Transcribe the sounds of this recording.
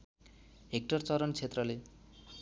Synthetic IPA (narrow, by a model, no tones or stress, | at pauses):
ɦek̚ʈʌrt͡sʌɾʌnt͡sʰet̪rʌle